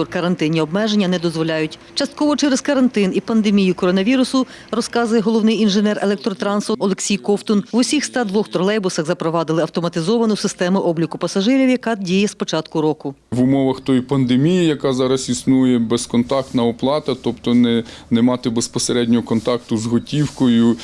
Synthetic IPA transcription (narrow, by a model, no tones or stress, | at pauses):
ɔrkɐɾɐnt̪ɪnʲːiɔbmɛʒenʲːɐnɛd̪ɔzʋɔlʲajʊtʲ | t͡ʃɐst̪̚kɔʋɔt͡ʃɛɾezkɐɾɐnt̪ɪnipɐnd̪emʲijʊkɔɾɔnɐʋʲiɾʊsʊ | rɔskɑzʊjɛɦɔlˠɔwnɪjinʒenɛrelˠɛkt̪ɾɔt̪ɾɑnsɔlˠeksʲijkɔwt̪ɔnʋʊsʲixst̪ɑd̪ʋɔxt̪ɾɔlˠɛjbʊsɐɣzɐpɾɔʋɑd̪ɪlˠɪɐwt̪ɔmɐt̪ɪzɔʋɐnʊsɪst̪ɛmʊʔɔblʲikʊpɐsɐʒɪɾʲiwjɐkɑdʲijɛspɔt͡ʃɑt̪kʊɾɔkʊʋʊmɔʋɐxt̪ɔjpɐnd̪emʲijijɐkɑzɑɾɐsisnujɛbɛskɔnt̪ɑk̚t̪nɐɔplˠɑt̪ɐt̪ɔpt̪ɔnɛnɛmɑt̪ɪbespɔseɾɛdʲnʲɔɦɔkɔnt̪ɑkt̪ʊzɦɔtʲiwkɔjʊ